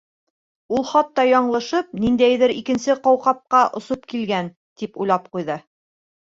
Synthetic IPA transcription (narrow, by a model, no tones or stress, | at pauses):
ulˠχɑt̪ːɑjɒɴlˠɤ̆ʃɤp̚nind̪æjðɘɾikɘ̆nsɘqɑwqɑp̚qɑʔŏsop̚kilɡæn | t̪ipujlˠɑp̚qujðɤ